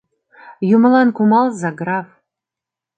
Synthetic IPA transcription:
jumlɑnkumɑlˠzɑɡrɑf

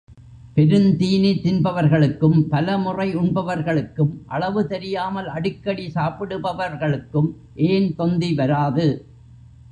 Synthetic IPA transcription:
pɛɾɯnt̪iːnit̪ːɪnbɐʋɐɾɣɐɭɯkːɯmpɐlɐmʊrɐɪʊɳbɐʋɐɾɣɐɭɯkːɯmʔɐɭɐʋɯt̪ɛɾɪjaːmɐlɐɽɪkːɐɽisaːpɪɽɯbɐʋɐɾɣɐɭɯkːɯm | ʔeːnt̪ɔnd̪iʋɐɾaːðɯ

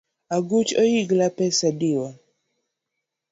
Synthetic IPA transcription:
aɡut͡ʃojiɡlapɛsadiɔ

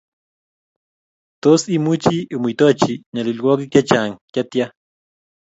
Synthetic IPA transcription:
t̪osimut͡ʃiʔumujt̪ot͡ʃiɲalilkokikjat͡ʃaŋkjat̪ja

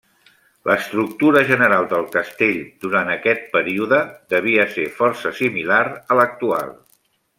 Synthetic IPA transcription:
lʔəst̪ɾuk̚t̪uɾəʒənəɾalˠd̪əlˠkəst̪eʎd̪uɾant̪əkɛt̪̚pəɾiuðəd̪əβ̞iəsefɔɾsəsimilaɾələk̚t̪ua̰lˠ

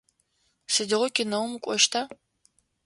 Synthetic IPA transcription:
sɨdɪʁʷɔkʲʰʼɪnɐwmukʷʼɔʃtʰa

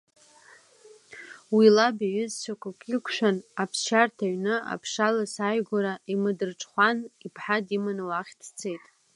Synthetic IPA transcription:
wilabaɥʏzt͡ʃʷʰakʷʰʼakʼikʷʰʃʷᶣanapʰsʃartʰaɥnɨa̰pʰʂalasaɥɡʷaɾaimɨdɨrʈ͡ʂʼχʷanipʰħadimanɨwaχʲtʰt͡sʰe̞jtʼ

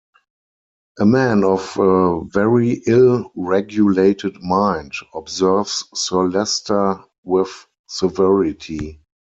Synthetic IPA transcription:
ʔəmæ̃nɔfəvɛɹiʔɪlɹɛɡjuleɪtʰədmãɪ̃ndɔbzɜ˞vsːɔlɛstə˞ | wɪθ | sɛvɛɹɪtʰi

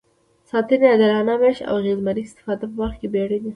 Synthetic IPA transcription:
sɑt̪ɪnead̪alɑnameʃa̰wɣezmaɾist̪ɪ̥fɑd̪apəwaɾxkebeɽed̪a

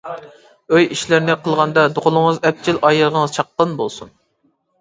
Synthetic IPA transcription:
øjiʃlɪɾnɪqʰəlˠʁɑnd̪ɑd̪oʁʊlˠʊŋəzɛp̚t͡ʃʰilʔɑjəʁəŋəz̥t͡ʃʰɑq̚ːɑnbolˠsun

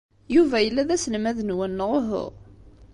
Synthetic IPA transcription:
juvæjəlːæðæslmæðənwænːəʁʊɦʊ̰ʁ

